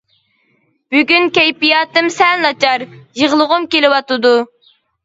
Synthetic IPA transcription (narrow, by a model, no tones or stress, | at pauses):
b̥yɡʲynkʲɛjpijɑːt̪ɨmsɛlnɑt͡ʃɑɾjəʁlˠəʁʊmkʲelɪwɑt̪ɨd̪u